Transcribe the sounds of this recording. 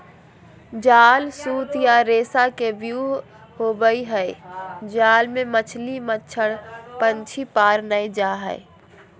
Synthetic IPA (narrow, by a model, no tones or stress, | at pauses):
d͡ʒaːlsuːt̪jaɾeːsakebjuɦ | hobəiɦəɪd͡ʒaːlmemət͡ʃʰlimətːt͡ʃʰəɽpənt͡ʃʰipaːɾnəjd͡ʒaɦə̰ɪ